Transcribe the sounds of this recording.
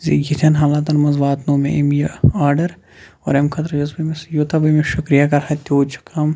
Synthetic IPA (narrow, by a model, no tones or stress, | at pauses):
zeɡit̪ʰɐnɦaːlaːt̪ɐnmɐzʋaːt̪noːmeimjɐaːɾɖɐɾ | ɔːɾemkʰɐt̪ɾd͡ʒɐzbimesjot̪abɐmẽʃʊkɾijakɐɾhɐt̪oːt͡ʃʰu̥kʰɐm